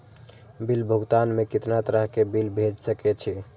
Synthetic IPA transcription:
bilbʱəɡt̪anmekit̪nat̪əɾəɦkebilbʱed͡ʒsəkɛt͡ʃʰi

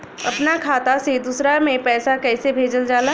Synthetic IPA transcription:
ɐpnakʰaːt̪ased̪uːsɾamẽpɛːsakɛːsebʱeːd͡ʒəld͡ʒaːlaː

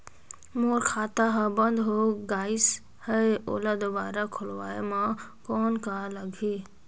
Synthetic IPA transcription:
moːɾkʰaːt̪aɦəbə̃nd̪ɦoɡaːɪs | həeo̰ːlad̪obaːɾakʰʊlʋaːemãkɔːnkaləɡʱi

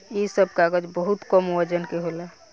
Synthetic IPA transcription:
jisəb̚kaɡəd͡ʒbəɦut̪kəmwəd͡ʒənkeɦolɛ

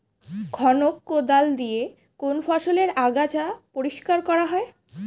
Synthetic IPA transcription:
ɡʰʱɔnokːod̪ald̪ije | konfʰɔʃoleɾaɡat͡ɕapoɾiʃkaɾkɔɾaɦɔe

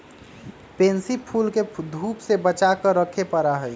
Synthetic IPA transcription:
pẽːnsipʰuːlked̪ʱuːpsebət͡ʃakəɾːəkʰepəɾaɦɛː

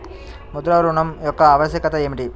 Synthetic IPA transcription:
mud̪ɾaːʋɾuɳɐmjɔkːɐaːʋɐɕjɐkɐt̪ɐeːmiʈi

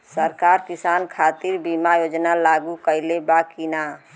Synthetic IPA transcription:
səɾkaɾkisankʰat̪iɾbimajod͡ʒnalaɡukəɪlebakina

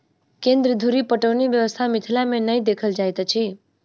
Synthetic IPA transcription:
kẽnd̪ɾəd̪ʱuɾipəʈəʋniʋjəʋəst̪ʰamɪt̪ʰlamẽnəĩd̪ekʰəld͡ʒajt̪at͡ʃʰi

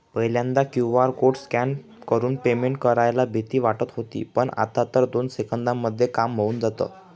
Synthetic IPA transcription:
pəjljãnd̪akjuʋaɾkoʈskan | kəɾuːnpemeɳʈ̚kəɾajlabʱit̪iːʋaʈət̪ɦot̪ḭːpəɳa̰t̪at̪əɾd̪onsekənd̪amːəd̪ʱːjekamːəuːnd͡zat̪ə̰ː

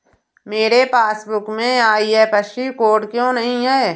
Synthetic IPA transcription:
meːɾepaːsbʊkmẽaːiɦɛːpəʃt͡ʃikoːʈkjõnəɦĩɦɛː

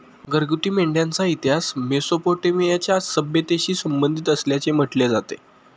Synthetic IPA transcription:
ɡəɾɡut̪iːmeɳɖjãnt͡sait̪iɦasmesopoʈemijat͡ɕjasəbjət̪eɕiːsəmbənd̪ʱit̪əsljat͡sem̤əʈled͡zat̪e

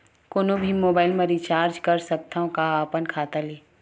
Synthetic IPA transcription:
koːnobʱimoːbaːɪlmẽɾit͡ʃaːɾd͡ʒkɐɾsɐk̚t̪aõkaaːpənkʰaːt̪aleː

